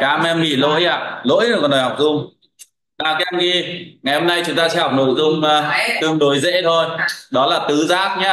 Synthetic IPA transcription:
kaː˨˦mʔɛ˧mːḭ˧˩lo̰˧˥jʔaː˧˨lo̰˧˥jnː˨˩kɔ˨˩nɗɔ˨˩jha˨˩wk͡p̚zʊ˧ŋ͡m | naː˨˩wkɛ˧mɣi˧ŋa˨˩jho˧mna˧jt͡ɕʊ˨˦ŋ͡mt̪aː˧sɛ̰˧˥hɔ˨˩wk͡p̚no̰˧˩jzʊ˧ŋ͡mt̪ɨ˧əŋɗo˨˦jzḛ˧˥t̪ʰo˧jɗɔ˨˦laː˨˩t̪ɨ˨˦zaː˦˥t̚ɲaː˨˦

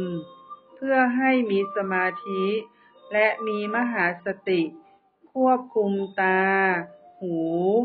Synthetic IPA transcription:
pʰɯ˥˩ɐɦa˥˩jmiː˧sa˧maː˧t̪ʰi˦˥ | lɛ˦˥ʔmiː˧ma˧˥ɦaː˩˦sa˧t̪i˨˩ʔ | kʰu˥˩əp̚kʰu˧mt̪aː˧huː˩˦

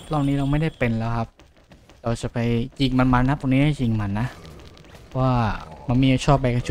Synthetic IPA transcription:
lɔː˥˩wniː˦˥ɾa˧wma˥˩jda˥˩jpe˧nlɛː˦˥wkʰa˦˥p̚ | ɾa˧wt͡ɕa˨˩pa˧jt͡ɕi˧˩ŋma˧nma˧nːa˦˥p̪̚ʰɔ˧niː˦˥a˥˩jt͡ɕi˧ŋma˧˩nːa˦˥pʰɔ˦˥waː˥˩ma˧nmiː˧˩˨t͡ɕʰɔː˥˩p̚ba˧jka˧nt͡ɕʰu˨˩

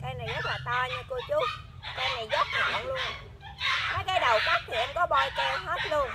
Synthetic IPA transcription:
ʔɛ˧mna˨˩jzə˦˥t̚laː˨˩t̪a˧ɲɨ˧ko˧t͡ɕu˦˥t̚ | ʔɛ˧mna˨˩jzə˦˥t̚ɲa˨˩na˨˦ŋlu˧ən | maː˨˦jkaː˨˦jɗə˨˩wkaː˦˥k̚t̪ʰi˨˩ʔɛ˧mkɔ˨˦ɓɔ˧jkɛ˧whə˦˥t̚lu˧əŋ

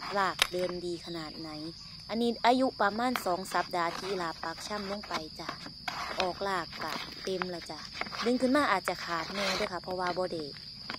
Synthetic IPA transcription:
laː˧˩k̚dɤː˧mdiː˧kʰa˧naː˨˩t̪̚na˨˩˦j | ʔa˧nːiː˧ʔaː˧ju˧ʔpa˧maː˧˥˨nsɔː˨˦ŋsa˨˦p̚daː˨t̪ʰiː˧laː˨˦˩pːa˨˧˦k̚t͡ɕʰa˧˥˨mlo˧˨ŋpa˨˩jt͡ɕa˧ | ʔɔː˨˩k̚laː˧˩kːa˧˩t̪e˧mla˧˩t͡ɕa˧˩dɯ˧˦ŋkʰɯ˧˥˨nmaː˧˥˨ʔaː˨˩t̪̚t͡ɕa˧˨kʰaː˨˩t̪̚nɛː˧˨dɯː˧˥˨kʰa˧˩pʰɔ˧waː˧bɔː˧˦da˧˩j

